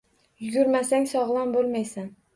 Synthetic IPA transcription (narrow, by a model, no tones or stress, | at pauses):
jʊɡʲʊɾmasaŋsɒʁlˠɒnbolˠmajsan